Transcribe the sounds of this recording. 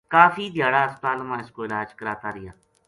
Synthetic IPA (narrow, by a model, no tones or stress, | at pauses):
kaːfʰiːd̪ɪjaːɽaːəst̪ãːnəmãːɪskoːɪlaːd͡ʒkəɾaːt̪aːɾɪjaː